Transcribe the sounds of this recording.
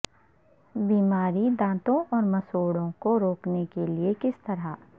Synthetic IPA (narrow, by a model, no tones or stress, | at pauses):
biːmaːɾid̪ãːt̪õʔɔːɾmɐsoːɽõkoɾoːknekeliekɪst̪ɐɾa